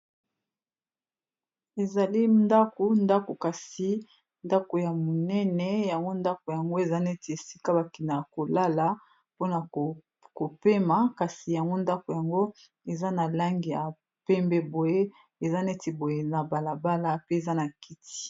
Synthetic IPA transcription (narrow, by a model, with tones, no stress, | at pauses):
e˨za˨li˦nda˦ko˨nda˦ko˨ka˨si˨ | nda˦ko˨ja˨mo˨nɛ˦nɛ˦ja˨ŋɡo˦nda˦ko˨ja˨ŋɡo˦e˨za˦nɛ˦ti˨e˨si˦ka˦ba˨ki˨na˨jko˨la˦la˨ | po˦na˨ | ko˨pe˦ma˨ka˨si˨ja˨ŋɡo˦nda˦ko˨ja˨ŋɡo˦ | e˨za˦na˨la˦ŋɡi˨ja˨ | pɛ˦mbɛ˦bo˨je˦ | e˨za˦nɛ˦ti˨bo˨je˦˨na˨ba˨la˨ba˦la˨pe˦e˨za˦na˨ki˦ti̥˦˨˦